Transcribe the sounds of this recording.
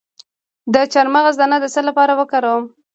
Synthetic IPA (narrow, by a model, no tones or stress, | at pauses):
d̪ət͡ʃaɾmaɣazd̪ɑnad̪əsəlapɑɾawəkaɾawəm